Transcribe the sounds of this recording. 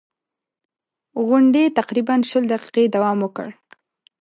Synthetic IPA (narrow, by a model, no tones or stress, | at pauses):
ɣʊɳɖet̪aqɾibanʃəld̪aqi̥qed̪awɑmwəkə̰ɽ